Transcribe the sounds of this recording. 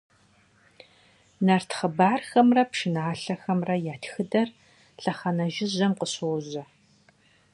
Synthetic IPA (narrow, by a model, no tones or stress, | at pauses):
nɐrtʰχəbaːrxɐmrɐpʂɪnaːɬɐxɐmrɐjaːtxɨdɐr | ɬɐχɐnɐʒɪʑɐmqəɕowʑɐ